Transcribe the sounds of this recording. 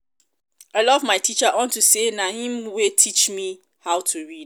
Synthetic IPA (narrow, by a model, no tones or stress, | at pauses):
aɪlɔvmaɪtʰit͡ʃaʔɔ̃ntusenahĩmwetʰit͡ʃmi | haʊtʰuɹid